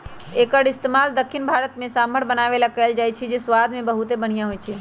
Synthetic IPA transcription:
ekəɽɪst̪emald̪əkʰːinbʱaɾət̪mẽsaməɾbənaʋelakɛld͡ʒajt͡ʃʰid͡ʒesʋad̪mẽbəɦut̪ebəɽ̤̃ijãɦojt͡ʃʰɛ

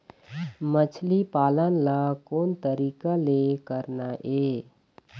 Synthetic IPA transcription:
mət͡ʃʰlipaːlənlakoːnt̪əɾiːkalekəɾnaʔeː

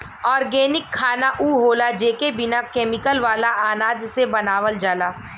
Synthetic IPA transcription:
ɔːɾɡɛːnɪkʰːaːnaʔuːɦoːlad͡ʒeːkebɪnakeːmɪkəlʋaːlaʔaːnaːd͡ʒsebɐnaːʋəld͡ʒaːlaː

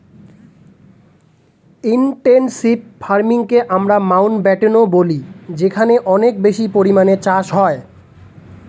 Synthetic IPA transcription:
inʈensibfaɾmiŋkeʔamɾamawnbɛʈenobolid͡ʑekʰaneʔɔnekbeʃipoɾimanet͡ɕaʃɦɔe

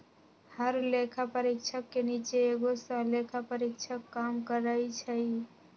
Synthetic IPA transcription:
həɾlekʰapəɾikt͡ʃʰəkːenit͡ʃeːɡosə̃lekʰapəɾikt͡ʃʰəkːamkəɾəit͡ʃʰəj

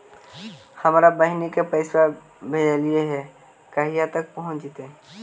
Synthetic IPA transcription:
həmɾabəɦɪnikepəɪsa | bʱed͡ʒəlijeɦɛ | kəɦijãt̪ək̚pəɦʊ̃t͡ʃit̪e

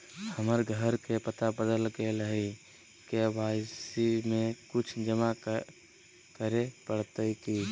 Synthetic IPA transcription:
həməɾɡʱəɾkepət̪abəd̪əlkeləɦi | kebaːsimẽkʊt͡ʃʰd͡ʒəma | kəɾepəɽt̪əiki

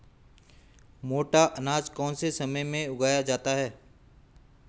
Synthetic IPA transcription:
moːʈaʔɐnaːd͡ʒkɔːnsesɐməjmẽʊɡʱaːjad͡ʒaːt̪aɦɛː

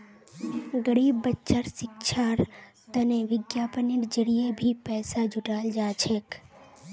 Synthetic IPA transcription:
ɡəɽibːətːʃəɾʃɪkʃʰaɾ | t̪əneʋɪɡjapənɪɾd͡ʒəɾijebʱipɛːsad͡ʒʱʊʈald͡ʒaːt͡ʃʰek

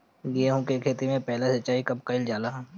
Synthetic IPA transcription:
jeːɦũkekʰeːt̪imẽpɛɦlasɐt͡ʃːaːikɐb̚kɐɪld͡ʒaːla

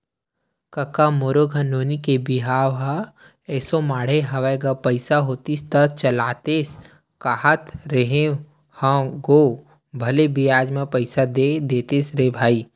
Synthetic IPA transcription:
kəkamoːɾoɡʱənoːnikebɪɦaːʋa | ɛːsomaːɽ̤eɦɐʋajɡapəɪsaɦoːt̪ist̪ət͡ʃəlaːt̪es | kaɦət̪ɾəɦẽ | hãɡoː | bʱɐlebijaːd͡ʒmẽpəɪsad̪ed̪eːt̪eːsɾebʱaːiː

